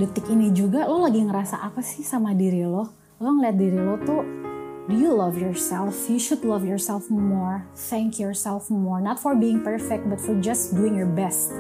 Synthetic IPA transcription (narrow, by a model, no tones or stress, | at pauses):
dət̪ɪkinid͡ʒuɡalolaɡiŋəɾasa̰ʔapasɪhsamadiɾilɔ | loŋəliat̪̚diɾilɔt̪ʊdujulavjɔɹsɛlfjuʃʊdlʌvjɔɹsɛlfmɔɹ | θɛŋkʰjɔɹsɛlfmɔɹnɔt̪fɔrbiɪŋpəɹfɛk̚t̪̚bat̪fɔɹd͡ʒasduɪŋjɔɹbɛst̪̚